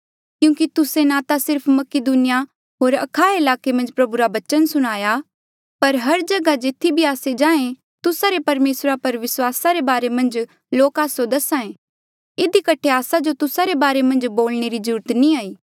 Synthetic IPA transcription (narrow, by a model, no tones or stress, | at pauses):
kjũːkit̪ʊsenaːt̪asɪɾpʰmɐkɪd̪uːnɪja | ɦoːɾɐ̰kʰaːeɪlaːkemɐ̃nd͡ʒpɾɐbuɾabɐt͡ʃənsʊɽ̃aːja | pɐɾɦɐɾd͡ʒɐɡad͡ʒeːt̪ʰːibʱiaːsed͡ʒãːẽ | t̪ʊsaɾepɐɾmeːsɾapɐɾʋɪswaːsaɾebaːɾemɐ̃nd͡ʒ | loːkaːsod̪ɐsãːẽ | ɪd̪ikɐʈʰeaːsad͡ʒot̪ʊsaɾebaːɾemɐ̃nd͡ʒboːlneɾid͡ʒuːɾət̪nĩaːiː